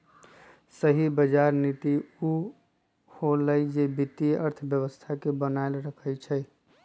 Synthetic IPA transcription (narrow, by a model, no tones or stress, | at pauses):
səɦibəd͡ʒaɾnit̪iu | holəjd͡ʒebit̪iəɾt̪ʰəbjəβəst̪ʰakebənaelɾəkʰəjt͡ʃʰəj